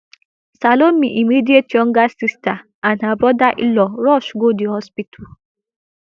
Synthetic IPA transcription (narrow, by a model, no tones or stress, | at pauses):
salom̩miʔimidietiɔŋ̩ɡasista | anɦabɾɔdaʔilɔɾɔʃɡodihɔspitʰu